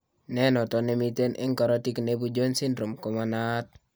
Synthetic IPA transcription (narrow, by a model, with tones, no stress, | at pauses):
nɛ˦nɔ˨tɔ˨ne˨mi˦te˦nʔɪ̰˦ŋkɔ˨ɾɔ˦ti˦kne˦bu˦d͡ʒo˦nsi˦ndɾu˨mkɔ˨ma˨na˦t̚